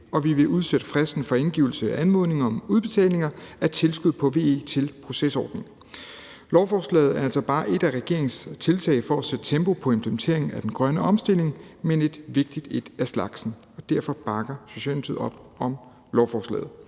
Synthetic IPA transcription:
ɒ̽ʋiʋe̝ʔuð̞ˠsed̥əfʁɛsd̥n̩fɒ̽e̝nɡ̥ḭːʊl̩səæʔænmo̝ð̰ˠne̝ŋɐɒ̽muð̞ˠb̥e̝t͡sʰɛ̰ːle̝ŋɐæt͡sʰe̝lsɡ̥uð̞̰ˠpʰɒ̽ʋe̝̰ːḛt͡sʰe̝lpʰʁo̝sesɒ̰ːd̥ne̝ŋ | lɒʊfɒːslɛ̰ːð̞̩ˠæɐælsɒ̽b̥ɑ̈ːʔe̝d̥æʁɛɡ̥e̝ɐ̰eŋnst͡sʰe̝lt͡sʰɛ̰ɪfɒæsed̥t͡sʰemb̥o̝pʰɒ̽e̝mpʰləement͡sʰe̝ɐeŋn̩æd̥en̩ɡ̥ʁɶnəɒ̽msd̥e̝l̰e̝ŋmene̝d̥ʋe̝ɡ̥̚d̥id̥ed̥æslɑ̈ɡ̥sn̩ | ɒ̽d̥æɐ̰fɒ̽b̥ɑ̈ɡ̥ɐso̝ɕɛ̰ːlmt͡sʰið̩̰ˠɒ̽b̥ɒ̽m | lɒʊfɒːslɛ̰ːð̩ˠ

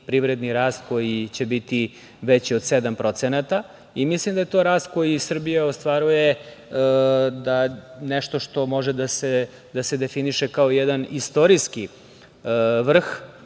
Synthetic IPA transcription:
pɾivɾed̪niɾaːst̪ko̞jit͡ɕebit̪i | ʋet͡ɕiod̪sed̪ampɾo̞t̪senat̪a | imislimd̪ajet̪o̞ɾaːst̪̚ko̞jisr̩bijaost̪ʋaɾuje | d̪anɛʃt̪o̞ʂt̪o̞mo̞ʒed̪ase | d̪ased̪e̞finiʃekaoijɛd̪anist̪o̞ɾiski | ʋr̩x

